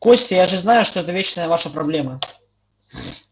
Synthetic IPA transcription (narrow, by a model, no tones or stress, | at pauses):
kɔsʲtʲɪjaʐɨznajuʂt̪ɔɛt̪ɐvʲet͡ɕnɐjɐvaʂɐpɾablʲɛmɐ